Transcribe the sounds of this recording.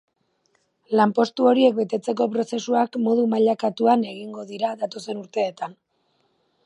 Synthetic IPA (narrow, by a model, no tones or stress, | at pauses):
lampo̞st̪uo̞ɾie̞k̚be̞t̪e̞t͡se̞k̬o̞pɾo̞se̞suakmo̞ð̞umaʎakat̪uane̞ɣ̞iŋɡo̞ðiɾaðat̪o̞se̞nuɾt̪e̞ːt̪an